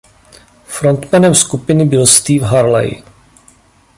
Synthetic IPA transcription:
fɾo̞nt̪mɛnɛmskupɪnɪbɪlst̪iːvɦaɾlɛ̰j

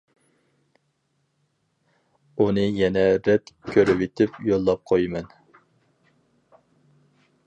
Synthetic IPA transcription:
unɨjɛnɛɾɛt̪kʲʰøɾɪwet̪ʰɪpjolˠːɑp̚qʰojmɛn

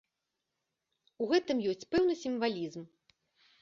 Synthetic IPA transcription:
uɣɛt̪ɨmjɔsʲt͡sʲpɛwnɨsʲiɱvalʲizm

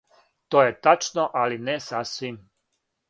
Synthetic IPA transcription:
t̪oːjet̪at͡ʃnoʔalinɛsasʋim

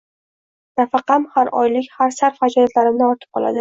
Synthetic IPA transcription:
nafɑqɑmhaɾɒ̰jlɪkʲhaɾsaɾfhad͡ʒɒnat̪laɾɪmnɪɒɾt̪ʰɪ̥p̚qʰɒ̰lˠa̰d̪ɪ

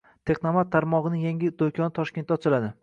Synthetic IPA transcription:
t̪ʰe̞qnamat̪ʰːaɾmɒʁɨnɪjaŋʲɪd̪ojkʲʰɒnɪt̪ʰɒʃkʲet̪ːæt͡ʃ̪ʰɪlad̪ɪ

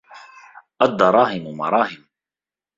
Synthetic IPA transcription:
ʔad̪ːɑɾˤɑːɦɪmʊmɑ̰ɾˤɑːhɪm

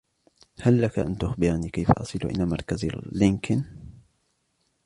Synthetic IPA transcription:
halːakaʔa̰nt̪ʊxbɪɾniːkajfaʔɑ̰sˤɨl̰ʔɪ̰naːmɑɾˤkaz̰lːɪŋkɪn

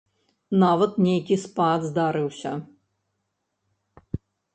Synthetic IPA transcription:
navɐt̪nʲejkʲispad̪zd̪aɾɨwsʲɐ

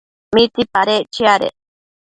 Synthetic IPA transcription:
mit̪ipaɾet͡ʃiaɾḛ

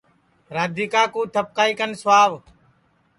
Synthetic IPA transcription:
ɾaːd̪ʱiːkaːkũːt̪ʰəp̚kaːiːkənsʋaːʋ

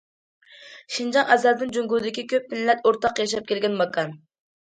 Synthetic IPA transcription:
ʃind͡ʒɑŋɛzɛld̪ɪnd͡ʒoŋɡud̪ɪkʲikʲøp̚mɪnlɛt̪oɾt̪ɑqjɑʃ̬ɑp̚kʲʰelɡʲɛnmɑkʰɑn

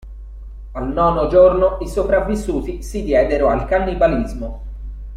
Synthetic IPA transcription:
alnɔːnod͡ʒornoisopɾavːisːuːt̪isid̪jɛːd̪eɾoalkanːibalizmo

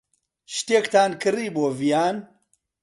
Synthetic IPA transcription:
ʃt̪eːkt̪aːnkɨriːboːvijaːn

